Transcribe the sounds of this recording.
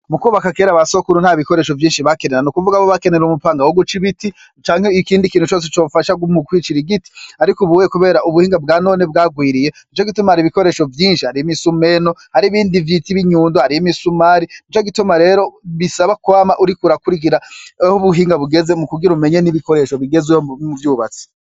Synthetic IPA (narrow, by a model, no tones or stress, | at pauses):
mukuːβakakeɾaβasokuɾun̥haːβiko̞ɾe̞ːʃo̞vjiːnʃiβakeneɾanukuvuɡaβoβake̞ne̞ɾumupaːŋɡawoɡut͡ʃiβiti | t͡ʃaːŋheikiːndikiːnhut͡ʃoːs̬et͡ʃoːfaʃaɡumukwiːt͡ʃiɾiɡiti̥aɾikuβuwjekuβe̞ːɾaʔuβuhiːŋɡabɡaːno̞ːnebɡaːɡwiːɾije̞ | it͡ʃoɡitumahaɾiβiko̞ɾe̞ːʃo̞vjiːnʃihaɾijimisume̞no̞haɾiβiːndivjitiβiɲuːndohaɾijimisumaɾinit͡ʃoɡitumaɾe̞ːɾo̞βisaβakuaːmaʔuɾikuɾakuɾik̬iɾahuβuɦiːŋɡaβuɡe̞ze̞mukuɡiɾume̞ɲe̞niβiko̞ɾe̞ːʃo̞βiɡe̞zuouvjuːβat͡si̥